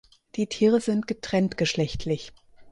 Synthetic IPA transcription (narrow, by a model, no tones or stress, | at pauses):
d̥iːtʰiːʁəzɪntɡ̥ətʁ̥ɛntɡ̥əʃlɛçtʰlɪç